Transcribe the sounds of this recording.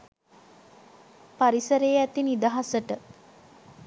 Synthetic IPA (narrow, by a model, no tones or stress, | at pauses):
paɾisəɾejːæt̪inid̪aɦasəʈə